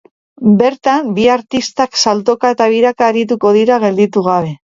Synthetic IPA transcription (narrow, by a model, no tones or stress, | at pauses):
be̞ɾt̪ambiaɾt̪ist̪aksalt̪o̞kae̞t̪aβiɾakaːɾit̪uko̞ð̞iɾaɣ̞e̞ld̪it̪uɣ̞aβe̞